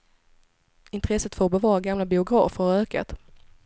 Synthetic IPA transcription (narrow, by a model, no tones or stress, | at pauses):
ɪnt̪ɾɛsːət̪fəɾɔbɛvɑːɾaɡamlabɪʊɡɾɑ̰ːfəɾaɾøːka̰t̪